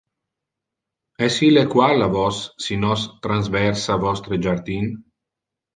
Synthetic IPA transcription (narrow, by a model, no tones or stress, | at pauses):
ɛsilekwalavɔsːinɔst̪ɾanzvɛɾsavɔst̪ɾed͡ʒaɾd̪in